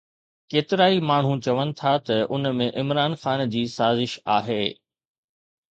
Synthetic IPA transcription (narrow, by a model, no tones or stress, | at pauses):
keːt̪ɪɾaːimaːɳ̤ũt͡ɕɐʋənɪ̆t̪ʰat̪ɐʔʊnmẽʔɪmɾaːnxaːnd͡ʑiːsaːzɪʃaːɦeː